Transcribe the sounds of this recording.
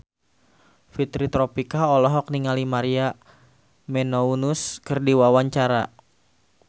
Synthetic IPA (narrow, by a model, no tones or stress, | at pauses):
fit̪ɾit̪ɾɔpikaɔlɔɦɔk̚niŋalimaɾia | mɛnounuskərdiwawaɲt͡ʃaɾa